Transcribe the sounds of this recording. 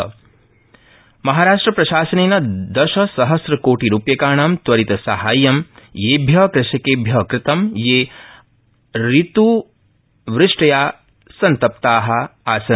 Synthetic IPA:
mɐɦaːɾaːʂʈɾɐpɾɐʃaːsɐneːnɐd̪ɐʃɐsɐɦɐsɾɐkoːʈiɾuːpjɐkaːɳaːmt̪ʋɐɾit̪ɐsɐɦaːjːɐmjeːbʱjɐkɾɐʃɐkeːbʱjɐkɾɪt̪ɐmjeː | ɾit̪u | ʋɾɪʂʈɐjaː | sɐnt̪ɐp̚t̪aːɦɐ̆aːsɐ

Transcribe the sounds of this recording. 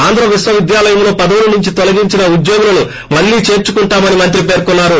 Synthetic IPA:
aːnd̪ʱɾɐʋisʋɐʋid̪jaːlɐjɐmlo̞ːpɐd̪ɐʋulɐnuɲt͡ʃit̪ɔlɐɡiɲt͡ʃinɐud̪joːɡulɐnu | mɐlːiːt͡ʃe̞ːɾt͡ʃukuɳʈaːmɐnimɐnt̪̬ɾipe̞ːɾkunːaːɾu

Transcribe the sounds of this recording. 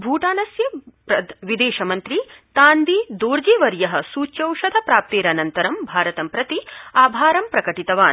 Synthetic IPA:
bʱuːʈaːnɐsjɐpɐʋid̪eːʃɐmɐnt̪ɾit̪aːnd̪id̪oːɾd͡ʒiːʋɐɾjɐɦɐ̆suːt͡ʃɐwʂɐd̪ʱɐpɾaːp̚t̪eːɾɐnɐnt̪ɐɾɐmbʱaːɾɐt̪ɐmpɾɐt̪iaːbʱaːɾɐmpɾɐkɐʈit̪ɐʋaːn

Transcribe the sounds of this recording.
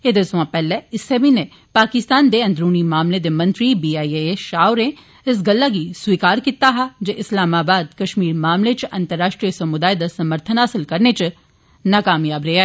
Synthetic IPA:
ed̪esʊʋãpɛːleɪsebine | paːkɪst̪aːnd̪eɐ̃nd̪ɾuːnimaːmled̪emɐ̃nt̪ɾibiːaːieeʃaːʊɾẽ | ɪs̬ɡɐlːaɡiswiːkaːɾkit̪aɦad͡ʒeʔɪslaːmaːbaːd̪kɐʃmiːɾmaːmlet͡ʃɐ̃nt̪əɾːaːʃʈɾijəsɐmʊd̪aːed̪asɐməɾt̪ʰənɦaːsɪlkɐɾnet͡ʃ | nakaːmjaːbɾeaː

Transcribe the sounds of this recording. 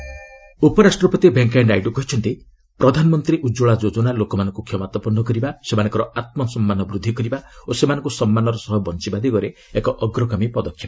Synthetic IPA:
upɔɾasʈɾɔpɔt̪ibeŋkajɳɖajɖukɔɦit͡ʃʰɔnt̪i | pɾɔd̪ʱanɔmɔnt̪ɾiʔud͡ʒoɭad͡ʒod͡ʒɔnalokɔmanɔŋkukʰjɔmat̪ɔpɔnɔkɔɾibasemanɔŋkɔɾɔat̪̚mɔsɔmːanɔbɾud̪ʱːikɔɾibaosemanɔ̃ŋkusɔmːanɔɾɔsɔɦɔbɔnt͡ʃibad̪iɡɔɾe | ekɔʔɔɡɾɔkɔmipɔd̪ɔkʰːjɔb

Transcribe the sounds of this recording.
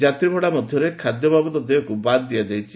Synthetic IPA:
d͡ʒat̪ɾibʱɔɽamɔd̪ʱjɔɾekʰad̪jɔbabɔt̪ɔd̪eɦɔkubad̪d̪ijad̪ejt͡ʃʰi

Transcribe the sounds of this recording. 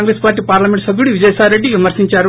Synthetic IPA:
ŋɡɾespaːɾʈ̬ːiːpaːɾlɐmeɳʈsɐɡ̪ːuɽiʋid͡ʒɐjsaːlɾe̞ɖːiʋimɐɾsiɲt͡ʃaːɾu

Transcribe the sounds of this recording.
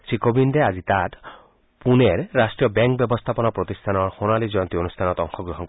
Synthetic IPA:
sikobindɛazit̪at | puneɹːasʈɹijɔbɛŋk̚bjɔbɔst̪ʰapɔnɔpɾot̪ist̪ʰanɔɹxonalizɔjɔnt̪ionust̪ʰanɔt̪ɔŋxɔɡɾoɦɔn

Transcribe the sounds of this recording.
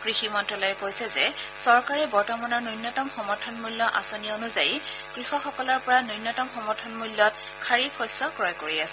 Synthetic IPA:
kɹiximɔntɔlɔjɛkojsɛzɛsɔɹkaɹɛbɔɹtɔmɔnɔɹnɔjnːɔtɔmxɔmɔɹtʰɔnmulːɔʔa̰sonionuzaji | kɹixɔxɔkɔlɔɹpɔɹanɔjnːɔtɔmxɔmɔɹtʰɔnmulːɔt̚ | kʰaɹipʰɔjsɔkɹɔjkoɹiasɛ̥

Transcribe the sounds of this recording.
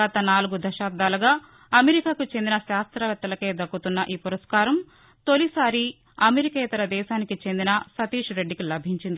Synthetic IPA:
at̪ɐnaːluɡud̪ɐʃaːb̚d̪aːlɐɡaː | ɐmeɾikaːkut͡ʃe̞nd̪inɐʃaːst̪ɾɐʋɐt̪ːɐlɐke̞ːd̪ɐkːut̪unːɐʔiːpuɾɐskaːɾɐm | t̪o̞lisaːɾi | ɐmeɾikɐjt̪ɐɾɐd̪ɛːʃaːnikit͡ʃe̞nd̪inɐsɐt̪iːʂɾe̞ɖːikilɐbʱiɲt͡ʃind̪i

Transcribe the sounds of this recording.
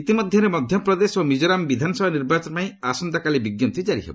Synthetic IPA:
it̪imɔd̪ʱjɔɾemɔd̪ʱjɔpɾɔd̪esomid͡ʒɔɾambid̪ʱanɔsɔbʱaniɾbat͡ʃɔnpaĩasɔnd̪akalibiɡjɔt̪id͡ʒaɾḭɦḛbɔ

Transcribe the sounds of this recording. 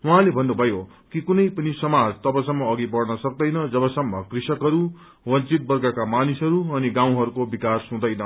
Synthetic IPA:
uɦãlebʱʌnːubʱʌjo | kikunʌjpʌnisʌmad͡zt̪ʌbʌsʌmːʌːɡibʌrnʌsʌk̚d̪ʌjnʌd͡zʌβʌsʌmːʌkrisʌkɦʌɾu | wʌt͡sit̪̚bʌrɡakamanisɦʌɾuʌniɡãw̃ɦʌɾukobikasɦũd̪ʌjnʌ

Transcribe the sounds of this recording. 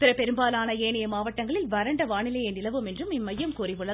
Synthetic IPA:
pɪɾɐpɛɾɯmbaːlaːnɐeːɳɐjɐmaːʋɐʈːɐŋɡɐɭɪlʋɐɾɐɳɖɐʋaːɳɪlɐjɐnɪlɐʋɯmɛndrɯmɪmːɐjːɐmkuːriʋɯɭːɐ

